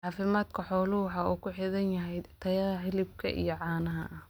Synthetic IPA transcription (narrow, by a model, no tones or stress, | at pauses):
ʕɑːfɪmaːd̪kʰɐħɔːlʊħɑuːkʰʊħɪðɐnjɐɦɛjt̪ʰɐjɐðɐħɪlɪb̚kʰɐ̰ʔḭjɔʕɑːnɐɦɐ̰ʔɐh